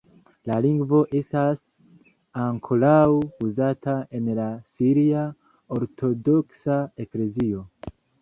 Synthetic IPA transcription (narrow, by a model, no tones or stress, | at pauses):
laliŋɡvo̞ʔe̞stas | aŋkʰo̞lawuzatae̞nlasiɾia | oɾtʰo̞do̞ksae̞kle̞zio̞